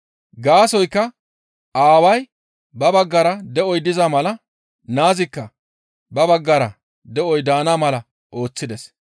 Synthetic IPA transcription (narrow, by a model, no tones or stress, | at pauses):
ɡaːsɔjkːɐ | aːwɐj | bɐbɐɡːɐɾɐd̪ɛʔɔjd̪ɪzamɐlɐ | naːzɪkːɐ | bɐbɐɡːɐɾɐ | d̪ɛʔɔjd̪aːnaːmɐlɐ | ʔo̞ːt͡sːɪd̪ɛs